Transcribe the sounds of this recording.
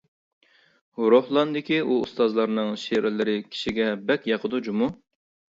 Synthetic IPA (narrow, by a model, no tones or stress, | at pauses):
hʊɾohlˠɑnd̪ɪkʲiuṵst̪ɑzlˠɑɾnɨŋʃeɾɪlɪɾɪkʲʰi̥ʃiɡʲɛbɛkʲjɑqʰəd̪ud͡ʒumu